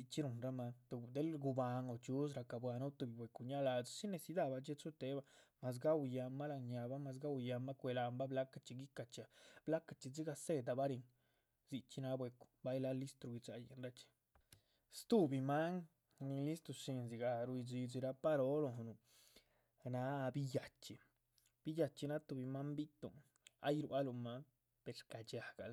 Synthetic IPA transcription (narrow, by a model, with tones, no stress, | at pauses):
i˧t͡ʃi˦ɾu˧nɾa˦ma˧t̪u˨˧d̪e˦lɡu˧ba˧ŋo˨t͡ʃu˦s̬ɾa˧ka˨bwa˧nu˦t̪u˧bi˨bʷwe˨ku˧ɲa˦la˧d͡zsi˦ne˧si˧d̪a˦˧ba˧t͡ʃe˦t͡su˦t̪e˦ba˧ma˨s̬ɡa˦wja˧mːa˦la˧ɲa˧ba˦ma˧s̬ɡa˦wja˧ma˦kʷe˧la˧mba˦bla˦ka˧t͡ʃi˧ɡi˦ka˧t͡ʃa˧b̥la˦ka˧t͡ʃi˧d͡zi˦ɡa˧se˦d̪a˧ba˦ɾi˧ŋ | zi˧t͡ʃi˦na˦bwe˧ku̥˨ba˦jla˦li˦st̪ɾu˨ɡi˧t͡ʃa˧jḛ˧nɾa˦t͡ʃi̥˧ | st̪u˦bi˧ma˦ŋ | ni˧li˦st̪ɾu˧ʃi˧nz̬i˨ɡa˧ɾu˧i˧d͡ʒi˧d͡ʒi˧ɾa˧pa˦ɾo˦lo˨nu˨ | na˧˦bi˦ja˨t͡ʃi˧ | b̥i˦ja˧t͡ʃi˧na˦t̪u˧bi˧ma˦mbi˦t̪ṵ˨ | a̰˦jɾwa˦lu˧ma˦ŋ | pe˨ɾka˨t͡ʃa˨ɡa̰˨l